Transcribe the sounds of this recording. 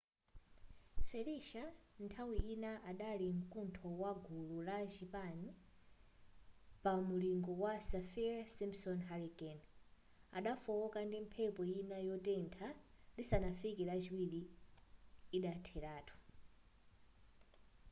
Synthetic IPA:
fɛliʃantʰawiinaʔaɗaliŋkʼuntʰɔwaɡʱululat͡ʃipani | pamuliŋɡɔwasafiasimsɔnɦaɾikɛn | a̰ɗafɔɔkandim̩pʰɛpɔjinajɔtɛntʰadisanafikiɾat͡ʃiwiliː | ɗatʰɛɾaːtʰɔ̥

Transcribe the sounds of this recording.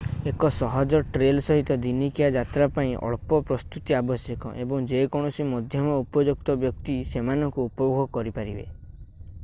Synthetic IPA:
ekɔsɔɦɔd͡ʒɔʈɾelsɔɦit̪ɔd̪inikiad͡ʒat̪ɾapaĩʔɔ̰ɭpɔpɾɔst̪ut̪iabɔsjɔkɔ̰ʔebɔŋd͡ʒekɔɽ̃ɔsimɔd̪ʱjɔmɔupɔd͡ʒuk̚t̪ɔbjɔk̚t̪isemanɔŋkuupɔbuɡɔkɔɾipaɾibḛ

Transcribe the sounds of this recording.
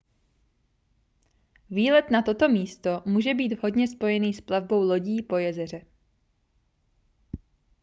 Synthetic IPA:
viːlɛt̪nat̪o̞t̪o̞miːst̪o̞muːʒɛbiːd̪vɦo̞dɲɛspo̞jɛniːsplavbo̞wlo̞ɟiːpo̞jɛzɛr̝ɛ

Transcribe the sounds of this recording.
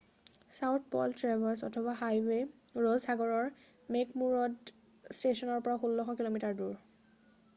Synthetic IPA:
sawt̚ʰpɔ̰ltɹabʱasɔ̰tʰɔbaɦajwe | ɹozʰaɡɔɹɔɹ | mekmuɹɔd | stesɔnɔɹpɔɹaxulːɔxɔkilomitaɹduɹ

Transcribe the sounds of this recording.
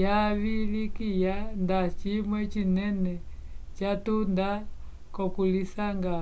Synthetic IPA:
jaβilikijandat͡ʃimwɛt͡ʃinɛnɛ | t͡ʃatunda | kɔpulisaŋɡa

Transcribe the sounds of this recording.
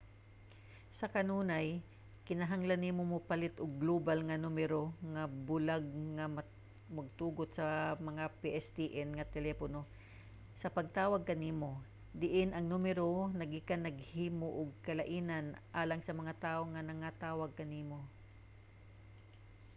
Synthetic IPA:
sɐkɐnuːnaj | kɪnɐɦaŋlɐnːimomʊpɐlɪt̪ʔʊɡ̚ːloːbalŋɐnumɛɾoŋɐbʊlaɡ̚ŋɐmɐ | mɐɡ̚t̪uːɡot̪sɐmɐŋapiʔɛst̪iʔɛnŋɐt̪ɛlɛːpono̞ | sɐpɐɡ̚t̪aːwɐɡ̚kɐniːmo̞ | d̪ɪʔɪnʔɐŋnumɛɾonɐɡikanːɐɡhiːmoʔʊɡ̚kɐlɐʔiːnanʔaːlɐŋsɐmɐŋat̪aːʔoŋɐnɐŋat̪aːwɐɡ̚kɐniːmo

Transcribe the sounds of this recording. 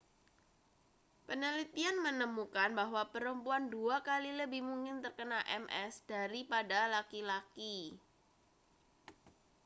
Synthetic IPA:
pənəlit̪ianmənəmukanbaɦwapəɾəmpuanduakaliləbɪhmuŋkɪnt̪ərkənalʔɛ̰mʔɛsd̥aɾipadalakilaki

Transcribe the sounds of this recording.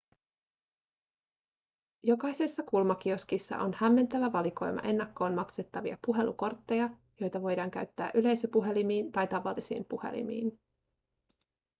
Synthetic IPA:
jo̞kɑjsesːɑkulmɑk̟ioskisːɑ̰ʔo̞nhæmːe̞nt̪æʋæʋɑliko̞jmɑ̰ʔe̞nːɑkːo̞ːnmɑkse̞t̪ːɑʋiɑ̰puɦe̞lṵko̞rt̪ːe̞jɑ | jo̞jt̪ɑʋo̞jdɑːŋk̟æɥt̪ːæːʔyle̞jsøpuɦe̞limiːnt̪ɑjt̪ɑʋɑlːisḭːmpuhe̞̰lḭmḭːn

